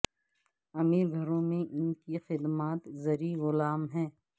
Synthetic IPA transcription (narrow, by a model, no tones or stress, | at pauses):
ɐmiːɾɡʱɐɾõmẽʔɪnkixɪd̪maːt̪zɐɾiɣʊlaːmɦɛ̃ː